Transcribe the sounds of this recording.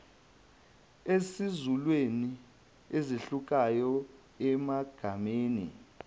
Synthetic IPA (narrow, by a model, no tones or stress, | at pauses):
esizulweni | eziɬuk̬ʼajɔ | ɛmaɡ̥ʱameːnḭ